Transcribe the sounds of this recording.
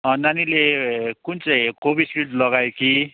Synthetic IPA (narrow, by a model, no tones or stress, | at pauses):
ʌnanilekunt͡saj̃kobiskilʈlʌɡajoki